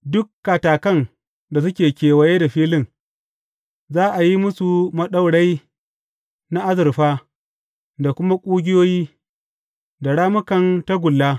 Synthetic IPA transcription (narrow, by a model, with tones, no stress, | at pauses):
dʊ˦kːa˨taː˨kɐ˦n | da˨s̬ʊ˦kʲeː˨kʲeː˨wɐ˨je˦da˨ɸiː˦lɪ˦˨ŋ | zaː˦ʔa˨ji˦mʊ˦su˨mɐ˦ɗa˦wɽa˦j | na˦ʔa˦zɪ˨ɾɸaː˦ | da˨kʷʊ˦ma˦kʷʼuː˦ɡʲɪ˦joː˦jiː˦ | da˨ɽaː˦mʊ˦kɐ˨nta˦ɡʷʊ˨lːaː˦